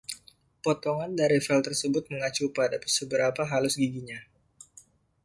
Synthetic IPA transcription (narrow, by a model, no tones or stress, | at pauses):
pɔt̪ɔŋandaɾifɛlt̪ərsəbʊt̪̚məŋat͡ʃupadapsəbəɾapaɦalʊsɡiɡiɲa